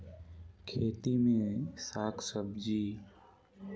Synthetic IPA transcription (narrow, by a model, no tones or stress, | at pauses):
kʰeːt̪imẽsaːkʰsəbd͡ʒiː